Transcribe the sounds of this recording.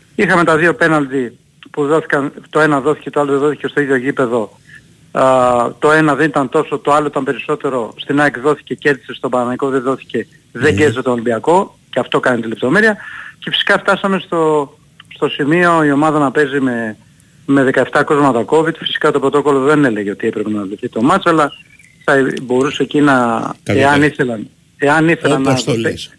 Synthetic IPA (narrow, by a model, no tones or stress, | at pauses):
ixɐme̞t̪ɐðio̞pe̞nɐlt̪i | puðoθi̥kɐnt̪o̞e̞nɐðo̞θi̥ce̞t̪oɐloðeðo̞θi̥cest̪o̞iðʝo̞ʝipe̞ðo̞ | t̪o̞e̞nɐðe̞nit̪ɐnt̪o̞so̞t̪oɐloit̪ɐmpe̞ɾiso̞t̪e̞ɾo̞st̪inɐekðo̞θi̥ce̞ce̞ɾði̥sist̪o̞bɐɾɐnɐiko̞ðeðo̞θi̥ce̞ | ðeɟeɾðiset̪olimbiɐko̞ | ceɐft̪o̞kɐnit̪ile̞p̚t̪o̞me̞ɾiɐce̞fi̥si̥kɐft̪ɐsɐme̞st̪o̞ | st̪o̞simio̞io̞mɐðɐnɐpe̞zime̞ | me̞ðe̞kɐe̞ft̪ɐko̞zmɐt̪ɐko̞vit̪fisi̥kɐt̪o̞pɾot̪o̞ko̞lo̞ðe̞nele̞ʝeo̞t̪iepɾepenɐloθit̪o̞mɐt͡sɐlɐ | θɐbo̞ɾusecinɐeɐniθelɐn | e̞ɐniθelɐnːɐ